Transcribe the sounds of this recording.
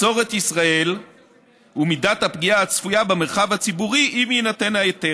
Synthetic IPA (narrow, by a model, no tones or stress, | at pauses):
so̞ʁet̪isʁae̞l | umidat̪hapɡiaːt͡sfujabemeʁχavhat͡sibuʁiʔimjenate̞nhajete